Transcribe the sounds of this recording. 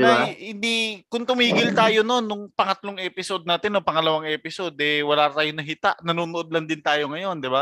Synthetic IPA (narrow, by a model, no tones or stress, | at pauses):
aahɪnd̪ikʊŋt̪ʊmiːɡɪlt̪aːjono̞nːʊŋpɐŋɐt̪loŋʔɛːpɪsod̪̚naːt̪ɪnːopɐŋɐlɐwaŋʔɛpɪso̞d̪ʔɛwɐlaːt̪aːjonɐɦit̪aʔnɐnuːnoʔod̪̚lɐnd̪ɪnt̪aːjo̞ŋɐjo̞nd̪ɪba